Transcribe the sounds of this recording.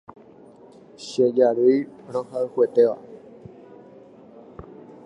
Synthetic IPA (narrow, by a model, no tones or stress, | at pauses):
ʃed͡ʒaɾɨjɾohaɨhwet̪eʋa̰